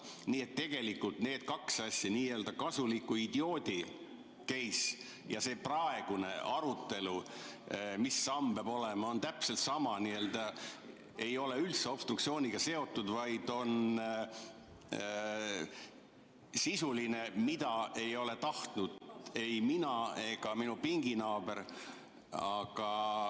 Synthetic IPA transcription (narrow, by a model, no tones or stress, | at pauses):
niːet̪ːe̞ɡ̥e̞likːult̪ne̞ːd̪̥kɑksɑsʲːjɑniːe̞ːld̪ɑkɑsulikːuid̪̥io̞ːd̪̥ʲi | kejs | jɑse̞ːprɑe̞ɡ̥une̞ɑɾut̪ːˑe̞lu | misːɑmpeɑːbo̞lemɑo̞nt̪æpse̞lt̪sɑmɑniːe̞ːld̪̥ɑ | e̞jo̞le̞ylt̪seo̞b̥st̪rukt̪sio̞ːnʲiɡ̥ɑse̞o̞t̪ːˑud̪̥vɑjd̪̥o̞n | sisuline̞mid̪ɑe̞jo̞le̞t̪ɑht̪nud̪̥e̞jminɑe̞ɡ̥ɑminupiŋɡinɑːbe̞ɾ | ɑɡ̥ɑ